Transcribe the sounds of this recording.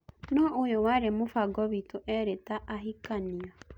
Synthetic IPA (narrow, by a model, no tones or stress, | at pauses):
tunɔʔojowaɾemofaɡɔβitoʔɛɾetaʔaɦikaniɔ